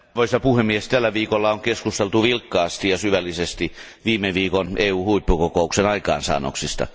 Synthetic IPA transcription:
ʋoisɑpuhemiest̪ælːæʋiːkolːɑoŋkeskust̪elt̪uʋilkːɑːst̪ijɑsyʋælːisest̪i | ʋiːmeʋiːkonʔeːuːhuipːukokouksenɑikɑ̰ːnsɑ̰ːno̰ksist̪ɑ̰

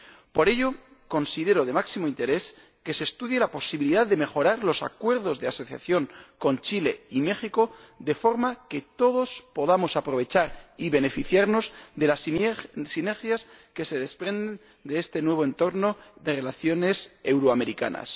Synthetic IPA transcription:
po̞ɾe̞ʎo̞ | ko̞nsiðe̞ɾo̞ð̞e̞maksimoint̪e̞ɾe̞s | ke̞se̞ːst̪uðje̞lapo̞siβiliðaððe̞me̞xo̞ɾaɾlo̞sa̰kwe̞ɾð̞o̞zðe̞aso̞θja̰θjo̞ŋko̞nt͡ʃile̞ime̞xiko̞ðe̞fo̞ɾmake̞t̪o̞ðo̞spo̞ðamo̞sapɾo̞β̞e̞t͡ʃaɾiβe̞ne̞fiθjaɾno̞zðe̞lassine̞ɾxjaske̞se̞ðe̞spɾe̞nd̪e̞n | d̪e̞est̪e̞nwe̞β̞o̞e̞nt̪o̞ɾno̞ðe̞re̞laθjo̞ne̞se̞wɾoame̞ɾika̰na̰s

